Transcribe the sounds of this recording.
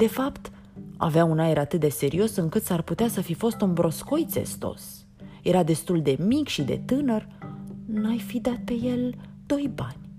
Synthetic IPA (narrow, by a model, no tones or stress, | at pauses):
d̪̥e̞fapt̪ | a̰veaunae̞ɾat̪ɨt̪̚d̪e̞se̞ɾio̞sɨŋkɨt̪sarput̪easəfifo̞st̪unbɾo̞sko̞jt̪se̞̰st̪o̞̰s | je̞ɾad̪e̞st̪uld̪e̞mikʃid̪e̞̰t̪ɨnər | najfid̪at̪̚pe̞je̞l | d̪̥o̞jbanʲ